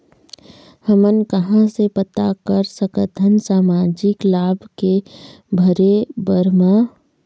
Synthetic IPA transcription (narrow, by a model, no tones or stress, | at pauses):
həmənkəɦãsepət̪akəɾsəkət̪ənsaːmaːd͡ʒɪklaːbʱke | bʱəɾebəɾmã